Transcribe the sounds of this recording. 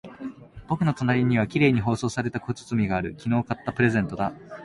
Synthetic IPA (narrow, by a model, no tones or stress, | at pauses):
b̥o̞kɯ̟no̞t̪onaɾʲiɲ̟iβ̞akʲiɾe̞ːɲ̟iɦo̞ːso̞ːsaɾe̞t̪akot͡sɨ̥t͡sɨmʲiɡaːɾɯ̟kʲino̞ːkat̪ːapɯ̟ɾe̞zẽ̞nt̪o̞d̪a